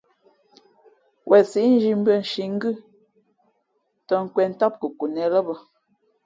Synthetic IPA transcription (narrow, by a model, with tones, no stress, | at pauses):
wʔɛ˨si˨˦n̩˦d͡ʒi˨m̩˦bə˦˨n̩˨ʃi˨ŋ̩˦ɡɨ˦˨ | tɔ˨ŋ̩˨kwɛ˨n̩˦tɔ˦p̚kə˨ku˨nɛ˨lə˦bə˦